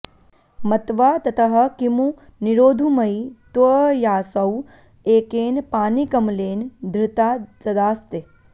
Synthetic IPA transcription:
mɐt̪ʋaːt̪ɐt̪ɐɦɐ̆kimu | niɾoːd̪ʱumɐjit̪ʋɐjaːsɐw | eːkeːnpaːnikɐmleːnd̪ʱɾɪt̪aːt͡sɐd̪aːst̪e

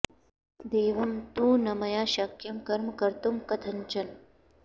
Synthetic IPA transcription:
d̪eːʋɐmt̪ũːnɐmɐjaːʃakjɐmkɐɾmkɐɾt̪umkɐt̪ʰɐnt͡ʃɐn

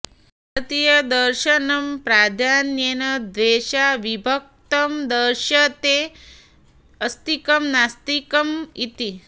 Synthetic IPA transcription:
ɐt̪ijɐd̪ɐɾʃɐnɐmpɾaːd̪ʱaːnjenɐd̪ʋeːʃaʋibʱɐk̚t̪ɐmd̪əɾʃɐt̪e | ɐst̪ikɐmnast̪ikɐmit̪i

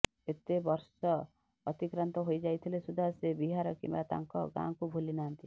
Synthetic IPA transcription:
et̪ebɔɾsɔː | t̪ikɾɔnt̪ɔɦojd͡ʒajt̪ʰilesud̪ʱasebiɦaɾɔkḭmbat̪a̰ŋkɔ̰ɡã̰kubʱulinant̪i

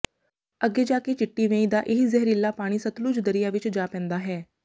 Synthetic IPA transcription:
əɡːeːd͡ʒaːkeːt͡ʃɪʈːiːʋẽːĩːd̪aːʔɪɦizɛɦɾɪlːaːpaːɽ̃iːsət̪luːd͡ʒd̪əɾɪjaːʋɪt͡ʃd͡ʒaːpɛ̃ːnd̪aːɦɛː

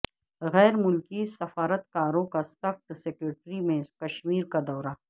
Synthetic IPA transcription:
ɣɛːɾmʊlkisɐfaːɾət̪kaːɾõkasɐxt̪seːkɾeːʈɾimẽkɐʃmiːɾkad̪ɔːɾaː

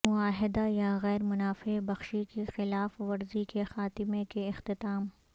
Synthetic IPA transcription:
mʊaːɦɪd̪ajaɣɛːɾmʊnaːfebɐxʃikexɪlaːfʋɐɾzikexaːt̪ɪmekeɪxt̪ɪt̪aːm

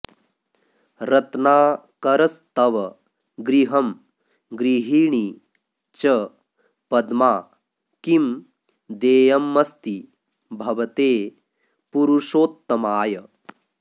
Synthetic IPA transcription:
ɾɐt̪naː | kɐɾɐst̪ɐʋɐ | ɡɾiɦɐm | ɡɾiɦiːɳi | t͡ʃɐ | pɐd̪maː | kim | d̪eːjɐmːɐst̪i | bʱɐʋɐt̪eː | puɾuʂoːt̪ːɐmaːjɐ

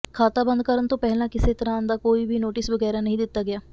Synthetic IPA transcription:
kʰaːt̪aːbə̃nd̪kəɾənt̪õːpɛɦlãːkɪseːt̪əɾãːnd̪aːkoːiːbiːnoːʈɪsʋəɡɛːɾaːnəɦĩːd̪ɪt̪ːaːɡɪjaː

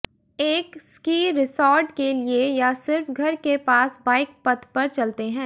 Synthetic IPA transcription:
eːkskiːɾɪsɔːɾɖkeliejasɪɾfɡʱɐɾkepaːsbaːɪk̚pɐt̪ʰpɐɾt͡ʃɐlt̪eɦɛ̃ː

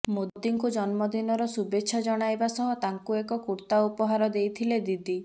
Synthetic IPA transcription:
modd̪iŋkud͡ʒɔnmɔd̪inɔɾɔsubeːʃʰɔd͡ʒɔɽ̃ajbasɔɦɔ̃t̪aŋkuekɔkuɾt̪aupɔɦaɾɔd̪ejt̪ʰiled̪id̪i

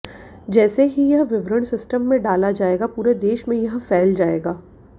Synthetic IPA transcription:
d͡ʒɛːseɦijɐɦʋɪʋɾəɽ̃sɪsʈəmːẽɖaːlad͡ʒaːeːɡapuːɾed̪eːʃmẽjɐɦfɛːld͡ʒaːeːɡaː

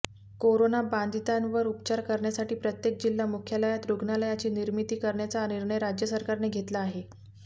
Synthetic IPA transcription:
koɾonaband̪it̪ãnʋəɾup̚t͡ɕaɾkəɾɳjasaʈiːpɾət̪jek̚d͡ʑilːamukʰjələjat̪ɾuɡnaləjat͡ɕiːniɾmit̪iːkəɾɳjat͡saniɾɳəjɾad͡ʑjəsəɾkaɾneɡʱet̪laːɦe

